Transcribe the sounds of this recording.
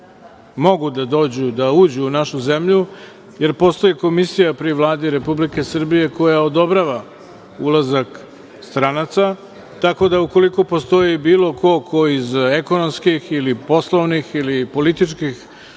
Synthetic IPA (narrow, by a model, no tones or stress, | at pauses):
mo̞ɡud̪ad̪o̞ːd͡ʑud̪auːd͡ʑuːnaʃuze̞mʎu | je̞ɾpo̞ːst̪o̞jeko̞misijapɾiʋlˠaːd̪iɾe̞publike̞sr̩bije̞ko̞jaod̪o̞bɾaʋa | ulˠazak | st̪ɾanat̪sa | t̪ako̞d̪auko̞liko̞po̞st̪o̞jibiːlˠo̞ko̞kʰo̞izeko̞nomskixilipo̞slˠoʋnixilipo̞lit̪it͡ʃkix